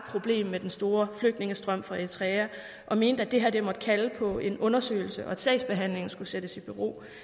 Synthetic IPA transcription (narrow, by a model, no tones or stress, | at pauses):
pʰʁo̝b̥le̝̰ːmːed̥ensd̥o̝ːɐfløɡ̥̚dne̝ŋəsd̥ʁɶm̰fʁɑ̈e̝t͡sʰʁɛæ | ʔɒ̽me̝ːnd̥æd̥e̝ɦæɐd̥e̝mɒ̽d̥kʰæləpʰɒ̽e̝nɔ̽nɐsø̰ːɪl̩səʔɒ̽æd̥sɛ̰ɪsb̥e̝ɦæn̰le̝ŋn̩sɡ̥used̥əsib̥yʁo̝̰ː